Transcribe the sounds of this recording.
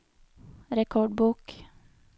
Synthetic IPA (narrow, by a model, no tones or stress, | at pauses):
ɾɛkʰɔɖbuːk